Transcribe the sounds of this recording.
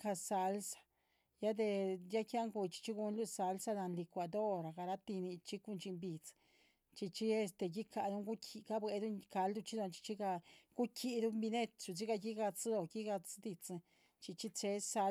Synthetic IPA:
ka˧sa˧lsḁ˨ | ja˦d̪e˧ja˦kja˦ŋɡu˧t͡ʃi̥˧t͡ʃi˦ɡu˧nlu˦sa˧lsa˧d̪a˧nli˧kʷa˨d̪o˦ɾa˨ɡa˨˧ɾa˦t̪i˧ni˧t͡ʃi˦ku˧nt͡ʃi˧mbi˨t͡s | t͡ʃi˧t͡ʃi˦e˧st̪e˧ɡi˦ka˧˨d̪u˦ŋɡu˦kʲʰi˧ka˦bwe˧d̪u˦ka˧ld̪u˦˧t͡ʃi˦d̪o˧nt͡ʃi̥˧t͡ʃi˦ɡa˧ɡ̥u˦kʰi˧d̪u˦mbi˧ne˦t̪t͡ʃu˧˨t͡si˦ɡa˧ɡi˦ɡa˧t͡sd̪o˧˨ki˦ɡa˧t͡sd̪i˧t͡s | t͡ʃi˧t͡ʃi˦t͡se˧˦sa˧

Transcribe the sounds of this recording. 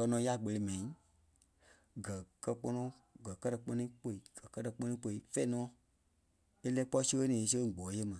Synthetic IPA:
kɜ˧˦nɔ̃ː˨˦ja˦˨ɡ͡bə˧li˧˦mɛ̃˨ĩ˨˦ | ɡɜ˨kɜ˧k͡pɔ˧nɔ̃˧ | ɡɜ˨kɜ˦tɜ˧k͡pɔ˧nĩ˦k͡po˧˨i˨ɡ̥ɜ˨kɜ˦tə˧k͡pɔ̃˦nĩː˦k͡po˧i˧˦fɛ˦i˦nɔ̃ː˦ | e˦lɛ˦k͡pɔ˦i˦sə˦ɣə˦nĩː˨˧s̬ə˦˨ɡ͡bɔː˨˦je˦mã˨

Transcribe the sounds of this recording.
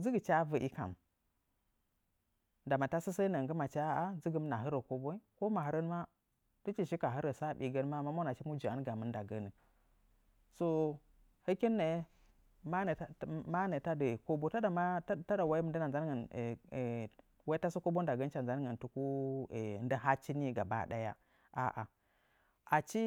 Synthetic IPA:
d͡zi˦ɡə˨t͡ʃa˦və˨ʔi˦ka̰˨m | da˨ma˨ta˦si˦sə˦nə˨ŋɡə˦ma˨t͡ʃa˦a˦zi˦ɡə˦m˦na˨ɦə˦ɾə˨ko˦bo˦i˦ko˦ma˨ɦə˦ɾə˦n˦ma˦ | tu˦t͡ʃi˦˨ʃi˦ka˨ɦə˦ɾə˨sa˦˨bi˨ɡə˦n˦ma˦˨ma˦mo˦na˨t͡ʃi˦mu˦d͡ʒi˨a˦n˦ɡa˨mə˨˦nda˨ɡə˦nə˨ | so˨ | hə˦ki˦nːe˨ | ma˦n˨˦ma˦ne˨ta˦də˨ko˦bo˦ta˦da˨ma˦ta˦da˨wa˦i˦mə˦ndə˦na˨za˦n˦ɡə˨n˨ | wa˦ta˦su˦ko˦bo˦n˦da˨ɡə˦n˦t͡ʃa˨n˨za˦n˦ɡə˨n˨tu˦ku˦˨ | nda˦ɦa˦t͡ʃi˦ni˦˨ɡa˨ba̰˦˨ɗa̰˦ja̰˦ | ʔa̰˨ʔa̰˨ | ʔa˨t͡ʃi˦

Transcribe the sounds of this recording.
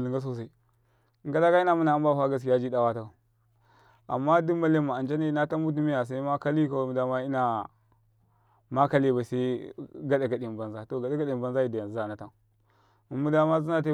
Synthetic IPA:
li˨ŋɡa˦s̬o˦s̬a˦i˦ | ɡa˦la˦ka˦i˦na˨mu˦na˨a˦mba˦ha˦ɡa˨s̬ki˨ja˦d͡ʒi˦da˦wa˦ta˦ka˨ | a̰˨mːa˦du˦ma˦le˦mːa˨a˨d͡ʒa˦ni˦na˦ta˦mu˦t̬i˦mi˦ja˨s̬a˦i˦ma˦ka˦li˦ka˨wmu˨da˦ma˦i˦na˨ | ma˦ka˦le˦ba˨sa˦ɡa˦ɗa˨ka˨ɗi˨m˨ba˨nza˦to˨ɡa˨da˦ka˦˨ɗi˨ba˦nza˦i˦˨da˨ja˨za˨na˨ta˦˨ | u˨mːu˦da˦ma˦zi˦na˦t̬a˦

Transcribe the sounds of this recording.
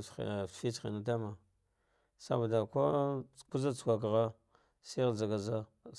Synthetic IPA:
fi˦t͡sxḭ˨na˦t̬a˦ma˨ | sa̰˦ba˨da˨kʷo˦ku˦za˦t͡skʷa˨kɣa˦ | si˦ɣza˨ɡa˨za˦

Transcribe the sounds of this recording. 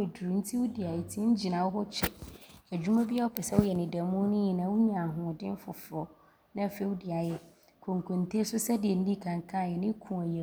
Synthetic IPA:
e˨du˨ɾu˨n̩˦tʰi˦wu˦di˨a˨jɛ˨tʰĩ˦ɲ̩˦d͡ʑi˨nã˨wʊ˦ɦɔ˦t͡ɕʰɛ˦æ˨d͡ʑᶣu˦mã˦bi˦a˦wʊ˦pʰɛ˨sɛ˦wʊ˦jɛ˨nɪ̃˨da˨mũ˦nʊ̃˦i˨nã˨˦wʊ˦mĩ˦˨a˨ɦʊ̃˨dɪ̃˦n˦fʊ˨fʊ˨ɔ˨ | nã˦˨fe˦u˦di˨a˨jɛ˨ | kʰõ˨ŋ˨kʰõ˨n˨tʰe˦sʊ˦sɛ˦dɪ˨ɛ˨n̩˦nĩ˦˨kʰã˨ŋkʰã˦˨jɛ˨nɪ̃˦kʰũ˨a˨jɛ˨

